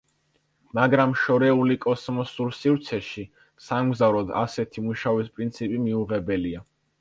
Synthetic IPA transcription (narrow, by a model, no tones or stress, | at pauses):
maɡɾamʃɔɾɛulikʼɔsmɔsuɾsivt̪sʰɛʃi | samɡzavɾɔd̪a̰sɛt̪ʰimuʃavispʼɾint̪sʰipʼimiuʁɛbɛlia